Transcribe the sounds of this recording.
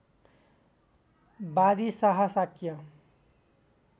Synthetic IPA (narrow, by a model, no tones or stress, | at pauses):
bad̪isʌɦʌsakjʌ